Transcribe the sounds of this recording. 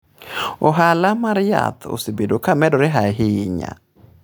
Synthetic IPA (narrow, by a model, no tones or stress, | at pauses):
oɦalamaɾja̰t̪ʰo̰sɪbedokamɛdɔɾɪɦaɦɪɲa̰